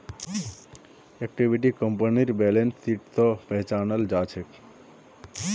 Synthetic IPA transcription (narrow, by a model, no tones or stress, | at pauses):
ek̚ʈibiʈ̬ikəmpəniɾbɛlensiʈt̪ɔ̃pɛɦt͡ʃanəld͡ʒat͡ʃʰek